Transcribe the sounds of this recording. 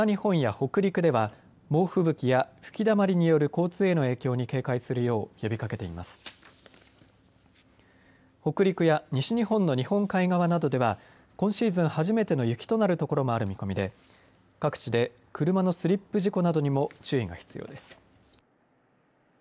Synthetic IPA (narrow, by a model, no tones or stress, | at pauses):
aɲihõ̞ɰ̃jaho̞kɯ̟ɾʲikɯ̟d̪e̞βa | mo̞ːɸɯ̟bɯ̟kʲijaɸɯ̟̥kʲid̪amaɾʲiɲ̟ijo̞ɾɯ̟ko̞ːt͡sɨːe̞no̞e̞ːkʲo̞ːɲ̟ike̞ːkaisɨɾɯ̟jo̞ːjo̞bʲikake̞t̪e̞ima̰sɨ̥ | ho̞kɯ̟ɾʲikɯ̟jaɲ̟iɕiɲ̟ihõ̞nːo̞ɲ̟ihõ̞ŋkaiɡaβ̞anad̪o̞d̪e̞βa | kõ̞ɰ̃ɕiːzɨ̃ɰ̃haʑime̞t̪e̞no̞jɯ̟kʲi̥t̪o̞naɾɯ̟t̪o̞ko̞ɾo̞mo̞aɾɯ̟mʲiko̞mʲid̪e̞ | kakɯ̟̥t͡ɕid̪e̞ | kɯ̟ɾɯ̟mano̞sɨɾʲipːɯ̟ʑiko̞nad̪o̞ɲ̟imo̞t͡ɕɨːiɡa̰çi̥t͡sɨjo̞̰ːd̪e̞sɨ̥